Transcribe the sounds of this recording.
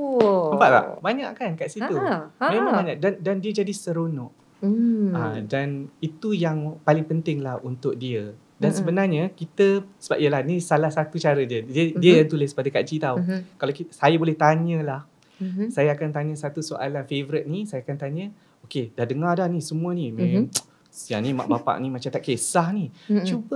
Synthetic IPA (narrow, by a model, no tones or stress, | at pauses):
əmpaʔla̰baɲa̰ʔkankaʔsit̪umẽmãŋbaɲaʔdandandiəd͡ʒadisəɾonɔ̃ʔ | ãdanit̪ujaŋpalɪŋpənt̪ɪŋlahunt̪ʊk̚diə | dansəbənarɲəkit̪əsəba̰p̚iəlahnĩsalahsat̪ut͡ʃaɾədiədiədiəjaŋt̪ulɪspadəkad͡ʒit̪aukalakisajabolɛht̪aɲə̃lah | sajaakant̪aɲə̃sat̪usoʔa̰lanfevəɾɪt̪̚nisajakant̪aɲə̃ | okedahdəŋadahnisəmũənim | sjanĩma̰ʔbapa̰ʔnĩmat͡ʃamt̪aʔkesahnit͡ʃubə